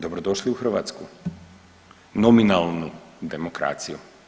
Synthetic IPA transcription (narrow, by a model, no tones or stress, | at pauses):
d̪obɾod̪oːʃliuxərɾʋa̰ːt̪sku | nɔminalnud̪ɛmokɾa̰ːt̪siju